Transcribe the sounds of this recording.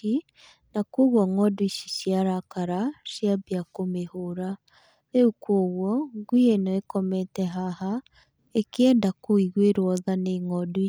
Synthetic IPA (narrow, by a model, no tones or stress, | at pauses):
i | nakoɣwɔŋɔdwiʃiʃjaɾakaɾaʃjabjakomehoɾa | eukwoɣwɔɡwienɔɛkɔmɛtɛɦaha | ekiɛndakoiɣweɾwɔðaneŋɔdwi